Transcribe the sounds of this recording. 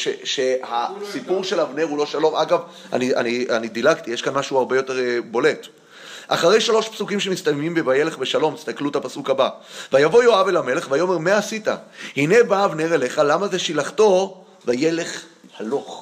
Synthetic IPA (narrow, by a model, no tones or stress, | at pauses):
ʃeʃehasipuʁʃe̞lavneʁulo̞ʃalo̞mʔaɡav | a̰nia̰nianidilakt̪ijeʃkanmaʃuaʁbejo̞te̞ʁbo̞le̞t | ʔa̰χaʁe̞jʃalo̞ʃpsukimʃe̞mist̪amemimbevaje̞le̞χbe̞ʃalo̞mist̪akluetapasukabavajavo̞joave̞lame̞le̞χvajo̞memeasita̰hine̞baːvneʁele̞χalamaze̞ʃilaχto̞ | vaje̞le̞χ | halo̞χ